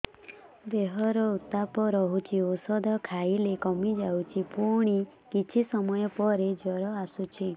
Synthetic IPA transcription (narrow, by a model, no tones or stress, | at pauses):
d̪eɦɔɾɔut̪apɔɾɔɦut͡ʃʰiosɔd̪ʱɔkʰailekɔmid͡ʒawt͡ʃʰipuɽ̃i | kit͡ʃʰisɔmɔjɔpɔɾed͡ʒɔɾɔasut͡ʃʰi